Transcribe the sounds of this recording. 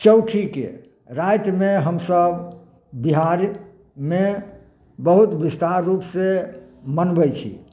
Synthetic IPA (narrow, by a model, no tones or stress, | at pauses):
t͡ʃəʊʈʰikḛ | ɾajt̪meɦəmsəb | biɦaɾ | me | bəɦut̪bist̪aɾːupsemənbəjt͡ʃʰḭ